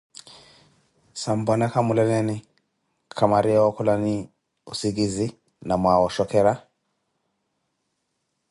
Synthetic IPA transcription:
sambɔnakamulɛlɛni | kʰamaɾiawɔkulani | usiɡizi | namwawɔʃɔkɛɾa

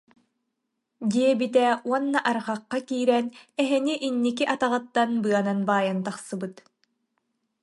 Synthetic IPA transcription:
d̪iɛbit̪ɛuɔnːaʔaɾʁaqːakiːɾɛnɛɦɛniʔinːikiʔat̪aʁɯt̪ːanbɯɐnanbaːjant̪aχsɯbɯt̪

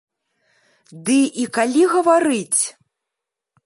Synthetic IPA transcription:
d̪ɨʔikalʲiɣɐvaɾɨt͡sʲ

